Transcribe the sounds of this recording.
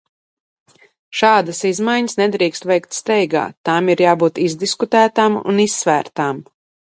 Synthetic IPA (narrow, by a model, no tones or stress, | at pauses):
ʃaːd̪asizmajɲəsnɛd̪ɾiːkst̪vɛjk̚t̪st̪ɛjɡa̰ːt̪amiɾjaːbuːt̪izd̪iskut̪æːt̪aːmṵnisːvæːɾt̪aːm